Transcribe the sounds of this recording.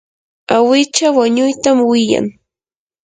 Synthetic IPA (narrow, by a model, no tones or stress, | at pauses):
awɪt͡ʃawaɲʊjt̪amwɪja̰ŋ